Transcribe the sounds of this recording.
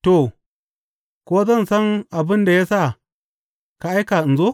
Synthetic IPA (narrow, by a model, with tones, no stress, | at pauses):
to˨ | ko˦za˦˨n˨sa˦na˨bɨ˦nda˨ja˦sa˦ | ka˨a˦jka˨n̩˨zo˦